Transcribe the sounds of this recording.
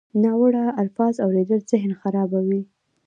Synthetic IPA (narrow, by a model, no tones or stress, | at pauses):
nɑwəɽaalfɑzawɾed̪əlzɪɦnxaɾɑbawi